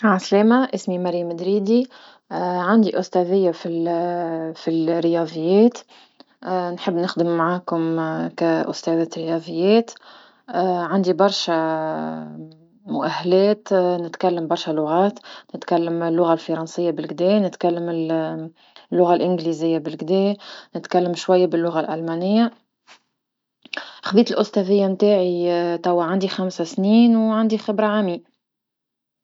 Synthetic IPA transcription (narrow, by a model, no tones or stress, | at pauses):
ʕaslɛːmaʔɪsmimaɾimæd̪ɾiːd̪i | ʕand̪iʔʊst̪æðɪjːafil | filɾjɑðˤɪjːɛːt̪ː | nħəbːnɪxd̪əmːaʕaːkʊmkæʔʊ̰st̪ɛðɛt̪ɾɪjɑðˤəjːɛːt̪ː | ʕand̪ibɑɾˤʃa | mʊʔæhːælɛːt̪nɪt̪kalːambɑɾˤʃalʊɣɑːt̪nɪt̪kalːəmlːʊɣalfɑɾˤɑnsɪjːabɪlɡd̪ɛːnɪt̪kalːəmɪl | lːʊɣalʔɪnɡlizɪjːabɪlɡd̪ɛːnɪt̪kalːəmʃwajːabɪlːʊɣalʔælmænɪjːa | xabiːt̪əlʔʊst̪ɑvɪjːamt̪aːʕit̪awːaʕand̪ixamsasniːnwʕand̪ixɪbɾaʕamiː